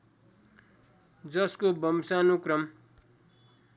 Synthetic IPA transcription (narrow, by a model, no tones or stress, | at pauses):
d͡zʌskobʌmsanukrʌm